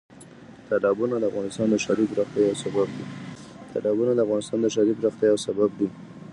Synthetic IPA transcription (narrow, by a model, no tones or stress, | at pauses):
t̪ʰalɑbunad̪əafɣɑnɪst̪ɑnd̪əʃad̪ibɾaxt̪jɑjawsabab̚d̪i | t̪ʰa̰lɑbunad̪əafɣɑnɪst̪ɑnd̪əʃaɾibɾaxt̪jɑjawsabab̚d̪i